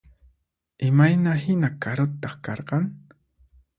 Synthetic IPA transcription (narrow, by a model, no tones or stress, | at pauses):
ɪmajnahɪnakaɾʊt̪ːɑχkɑɾqɑŋ